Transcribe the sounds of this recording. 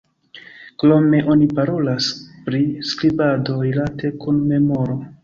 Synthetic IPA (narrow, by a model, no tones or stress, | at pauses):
klo̞me̞ʔo̞nipaɾo̞laspɾiskɾibado̞ɾilatʰe̞kunme̞mo̞ɾo̞